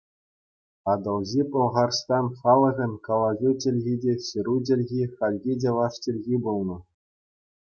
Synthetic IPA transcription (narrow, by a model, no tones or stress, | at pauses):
ɑd̪ɤ̆lˠʑipɤ̆lˠʁɑrst̪ɑnχɑlˠɤ̆ɣʲɘ̆nʲkɑlˠɑɣʲut͡ɕʲɘ̆lʲɣʲidʲeɕɘ̆ɾut̬ʲĕlʲɣʲiχɑlʲɣʲidʲeʋɑʂt͡ɕĕlʲɣʲibulˠnɤ̆